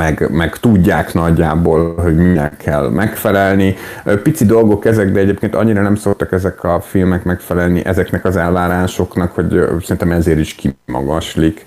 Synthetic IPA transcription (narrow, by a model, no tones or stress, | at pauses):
ɛɡmɛɡt̪uɟːaːknɒɟːaːbolɦo̞ɟminɛkʰːɛlmʔɛkfɛlɛlnipit̪sid̪o̞lɡo̞kɛzɛɡd̪ɛɛɟeːp̚keːnt̪ɒ̰ɲːiɾɒnɛmsokt̪ɒkɛzɛkʰɒfilmɛkmɛkfɛlɛlnḭʔɛzɛknɛkɒzɛlvaːɾaːʃo̞knɒkho̞ɟsɛɾint̪ɛmɛzeːɾiʃkimɒ̰ɡɒʃlik